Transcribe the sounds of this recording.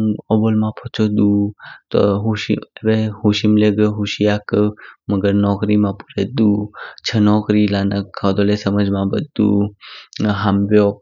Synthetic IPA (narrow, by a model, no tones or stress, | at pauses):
ɔbolmãpʰot͡ʃod̪ut̪o̰ɦuʃiebehuʃimleɡɦuʃijakməɡəɾnɔkɾimãpuɾed̪ut͡ʃʰənɔkɾilanəkʰːawd̪olesəməd͡ʒmãbəd̪ːṵ | ɦambjo